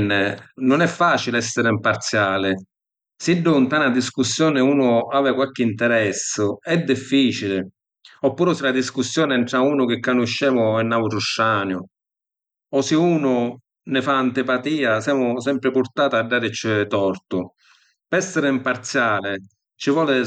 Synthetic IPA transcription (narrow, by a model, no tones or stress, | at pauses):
nːɪnʊnɛfːaːt͡ʃilɛsːɪɾɪimpaɾt̪sjaːlɪ | siɖːʊnt̪aːnad̪iskusːjɔːnɪuːnʊaːvɪkwalk̟ɪint̪ɛɾɛsːʊɛd̪ːifːiːt͡ʃilɪ | ɔpːuːɾɪsɪlad̪iskusːjɔːnɪɛɳʈ̪ɾauːnʊk̟ɪkːanʊʃːɛːmʊɛnːaut̪ɾʊʃːaːnjʊ | ɔsɪuːnʊ | nɪfaːnt̪ɪpat̪iːasɛːmʊsɛmpɾɪpʊɾt̪aːt̪aɖːaːɾɪt͡ʃːɪt̪ɔɾt̪ʊ | pɛsːɪɾɪimpaɾt̪sjaːlɪ | t͡ʃivɔːlɪ